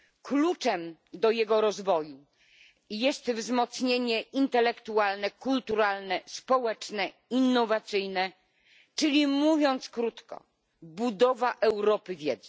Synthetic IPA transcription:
klut͡ʂɛmd̪ɔjɛɡɔɾɔzvɔju | jɛst̪vzmɔt̪sɲeɲɛint̪ɛlɛkt̪ualnɛkult̪uɾalnɛspɔwɛt͡ʂnɛ | inːɔvat̪sɘjnɛ | t͡ʂɘlʲimuvʲjɔnt̪skɾut̪kɔ̰ | bud̪ɔvaʔɛwɾɔpɘvʲjɛd̪zɛ

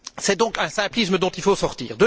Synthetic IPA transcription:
sɛd̪ɔ̃kɛ̃sɛ̃plisməd̪ɔ̃t̪ilfosɔʁt̪ḭːʁd̪

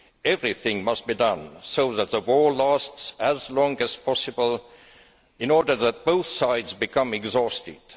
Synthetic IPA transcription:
ɛvɹiθɪ̃ŋmʌst̚b̥idʌ̃nsoʊðæt̪̚ðəwɔɹlæstsɨzlɔ̃ŋɨz̥pʰɑsɨbəl̩ˠ | ɪ̃nɔɹdə˞ðæt̚b̥oʊθsaɪdzbɨkʰʌ̃mɛɡzɔstɪd̥

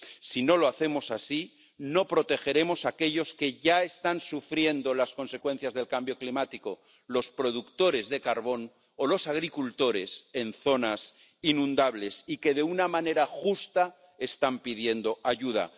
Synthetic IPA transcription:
sino̞lo̞aθe̞mo̞sasi | no̞pɾo̞t̪e̞xe̞ɾe̞mo̞sake̞ʎo̞ske̞ʝae̞st̪ansufɾje̞nd̪o̞lasko̞nse̞kwẽ̞n̟θjazðe̞lkambjo̞klimat̪iko̞ | lo̞spɾo̞ð̞ukt̪o̞ɾe̞zðe̞kaɾβo̞n | o̞lo̞saɣ̞ɾikult̪o̞ɾe̞se̞nθo̞nas | inũnd̪aβle̞sike̞ðe̞unamãne̞ɾaxust̪a | e̞st̪ampiðje̞nd̪o̞ʔaʝuð̞a̰

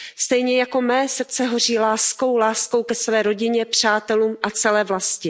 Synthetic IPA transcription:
st̪ɛjɲɛjako̞mɛːsr̩t͡sɛɦo̞riːlaːsko̞wlaːsko̞wkɛsvɛːɾo̞ɟɪɲɛpr̥aːt̪ɛluːmʔat͡sɛlɛːvlascɪ

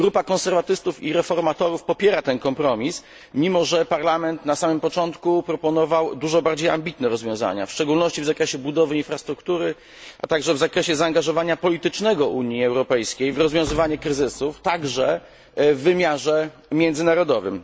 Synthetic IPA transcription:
ɡɾupakɔ̃nsɛɾvat̪ɘst̪ufiɾɛfɔɾmat̪ɔɾufpɔpʲjɛɾat̪ɛnkɔmpɾɔmʲis | mʲimɔʐɛpaɾlamɛnt̪nasamɘmpɔt͡ʂɔnt̪kupɾɔpɔnɔvawd̪uʐɔbaɾd͡ʑeja̰mbʲit̪nɛɾɔzvʲjɔ̃w̃za̰ɲa̰fʂt͡ʂɛɡulnɔɕt͡ɕivzakɾɛɕɛbud̪ɔvɘinfɾast̪ɾukt̪uɾɘ | ʔa̰t̪aɡʐɛvzakɾɛɕɛzaːŋɡaʐɔvaɲapɔlʲit̪ɘt͡ʂnɛɡɔʔuɲiɛwɾɔpɛjskʲejvɾɔzvʲjɔ̃w̃zɘvaɲɛkɾɘzɘsuft̪aɡʐɛ | vːɘmʲjaʐɛ | mʲjɛnd̪zɘnaɾɔd̪ɔvɘ̰m

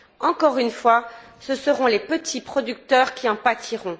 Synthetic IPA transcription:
ɑ̃kɔʁynfwa | səsəʁɔ̃lepət̪ʰipχɔd̪yk̚t̪œːʁkʲiɑ̃pat̪ʰiʁɔ̃

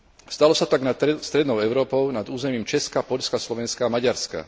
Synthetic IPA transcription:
st̪alɔsat̪aɡnast̪ɾɛd̪nɔʊɛʊɾɔːpɔʊnad̪uːzɛmiːmt͡ʃɛskapɔʎskaslɔʋɛnskaːmaɟaɾska̰

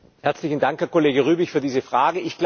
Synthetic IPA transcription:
hɛɐt͡slɪçn̩daŋkhɛɐkoleːɡəʁyːbɪçfyːɐdiːzəfʁ̥aːɡəʔɪçɡ̥l

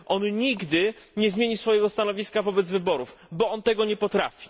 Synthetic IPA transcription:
ʔɔnɲiɡd̪ɘ | ɲɛzmʲjeɲisfɔjɛɡɔst̪anɔvʲiskavɔbɛd̪zvɘbɔɾufbɔɔnt̪ɛɡɔɲɛpɔt̪ɾa̰fʲi̥

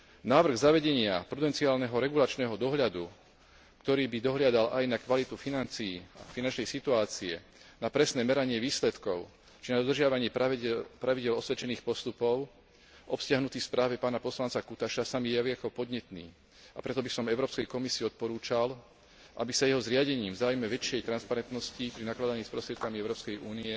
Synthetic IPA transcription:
naːʋr̩ɣzaʋɛɟɛɲɪapɾud̪ɛnt͡siaːlnɛɦɔɾɛɡulat͡ʃnɛːɦɔd̪ɔɦʎad̪u | kt̪ɔɾiːbid̪ɔɦlɪad̪alajnakʋalit̪ufinant͡sijiːfinant͡ʃnɛjsit̪uaːt͡siɛ̰ | napɾɛsnɛːmɛɾaɲɪɛʋiːslɛt̪kɔʊ | t͡ʃinad̪ɔd̪r̩ʒɪaʋaɲɪɛpɾaʋiɟɪɛlɔsʋɛt͡ʃɛniːxpɔst̪upɔʊ | ʔɔpscɪaɦnut̪iːspɾʔaːʋɛpaːnapɔslant͡sakut̪aʃasamijɛɪɛkɔpɔd̪ɲɛt̪nḭː | apɾɛt̪ɔbisɔmɛʊɾɔːpskɛjkɔmisiːɔt̪̚pɔɾuːt͡ʃal | ʔa̰bisajɛɦɔzɾɪaɟɛɲiːmvzaːujmɛʋɛt͡ʃɪɛjt̪ɾanspaɾɛnt̪nɔscipɾinaklad̪aɲiːspɾɔst̪ɾɪɛt̪̚kamiɛʊɾɔːpskɛjuːniɛ

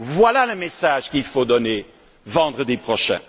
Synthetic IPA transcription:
vwalaləmesaʒkilfod̪ɔne | vɑ̃d̪ʁəd̪ipχɔʃɛ̰̃

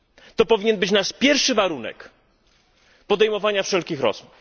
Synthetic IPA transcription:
t̪ɔpɔvʲiɲɛnbɘt͡ɕnaʂpʲjɛɾfʂɘvaɾunɛ̰k | pɔd̪ɛjmɔvaɲafʂɛlkʲixɾɔ̰z̥muf

